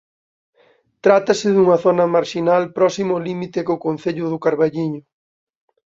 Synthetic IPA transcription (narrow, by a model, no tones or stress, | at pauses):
t̪ɾat̪ɐsɪðuŋɐθonɐmaɾʃinalpɾɔsimʊlimit̪ekʊkon̟θeʎʊðʊkaɾβaʎiɲʊ